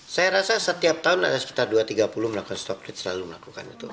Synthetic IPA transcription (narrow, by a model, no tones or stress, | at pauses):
sajaɾasasət̪iap̚t̪aɦʊna̰dasə̥ki̥t̪arduat̪iɡapuluməlakukanst̪ɔk̚lɪt̪̚səlaluməlakuka̰nit̪u